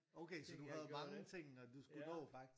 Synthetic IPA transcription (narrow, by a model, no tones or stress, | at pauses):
oʊkʰesɒ̽d̥uɦæð̩ˠmɑ̈ŋət͡sʰe̝ŋ̰nɒd̥usɡ̥unɔ̰̽ː